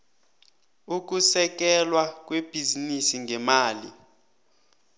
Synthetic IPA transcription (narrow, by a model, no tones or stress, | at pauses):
uk̬usɛk̬ɛlwak̬ʼweb̥ʱizinisiŋʱɛmaːli